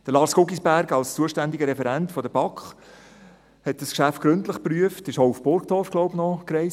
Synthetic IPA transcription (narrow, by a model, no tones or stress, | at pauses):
d̥əlɑːɾsɡ̥ʊɡisbæɾɡɑlst͡suəʃtændiɡəɾɛfɛɾɛntfɔdəb̥ɑkχ | hɛt̚d̥ɑskʃæftɡ̥ɾɵntləχpryəftɪʃoʊufb̥ʊrɡtɔɾrfɡ̥lɔʊbnɔkrɛɪs